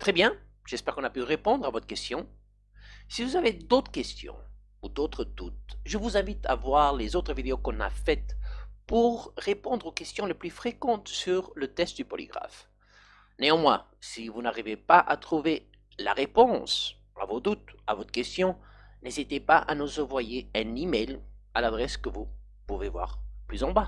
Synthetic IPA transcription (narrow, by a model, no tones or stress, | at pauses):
t̪χɛbjɛ̃ | ʒ̥ɛspɛʁkɔ̃napyʁepɔ̃d̪ʁavɔt̪χə̥kɛst̪jɔ̃ | sivuzaved̪ot̪χə̥kʲɛst̪jɔ̰̃ | ud̪ot̪χəd̪̥ut̪ʒəvuzɛ̃vit̪a̰vwaʁlezot̪χəvid̪eokɔ̃na̰fɛt̪puʁːepɔ̃d̪ʁokʲɛst̪jɔ̃leplyfχekɑ̃t̪syʁlət̪ɛst̪̚d̪ypɔlḭɡʁa̰f | neɑ̃mwɛ̰̃sivunaʁivepaʔat̪χuve | la̰ʁepɔ̃s | a̰vod̪ut̪a̰vɔt̪χəkʲɛst̪jɔ̃nezit̪epaʔanuzɑ̃vwajeɛ̃nimɛjlalad̪ʁɛskəvu | puvevwa̰ʁplyzɑ̃ba